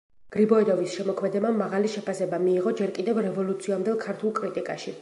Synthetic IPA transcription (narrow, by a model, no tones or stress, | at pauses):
ɡ̥ɾibɔɛd̪ɔvisʃɛmɔkʰmɛd̪ɛbamːaʁaliʃɛpʰasɛbamiːʁɔd͡ʒɛɾkʼid̪ɛvɾɛvɔlˠut̪sʰiamd̪ɛlˠkʰaɾt̪ʰulˠkʼɾit̪ʼikʼaʃi